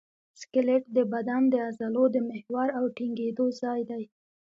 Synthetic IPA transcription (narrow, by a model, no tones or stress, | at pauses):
skɪleʈd̪əbad̪and̪əazalod̪əmɪhwɑɾawʈiŋɡed̪ozɑjd̪aj